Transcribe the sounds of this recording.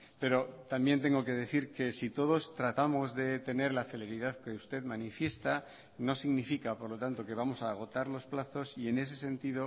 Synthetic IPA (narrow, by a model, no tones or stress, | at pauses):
pe̞ɾo̞t̪ambje̞nt̪̬e̞ŋɡo̞ke̞ðe̞θiɾke̞sit̪o̞ðo̞st̪ɾat̪amo̞zðe̞t̪e̞ne̞ɾlaθe̞le̞ɾiðaðke̞ust̪e̞ðmanifje̞st̪a | no̞siɣnifikapo̞ɾlo̞t̪ant̪o̞ke̞β̞amo̞saːɣ̞o̞t̪aɾlo̞splaθo̞sie̞ne̞s̬e̞sẽ̞nt̪iðo̞